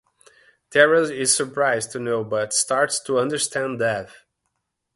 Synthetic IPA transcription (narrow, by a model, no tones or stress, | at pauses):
tʰɛɹəlɪz̥sə˞pʰɹaɪztʰunoʊbʌtstɑɹtstʰuʌ̃ndə˞stʰæ̃ndɛθ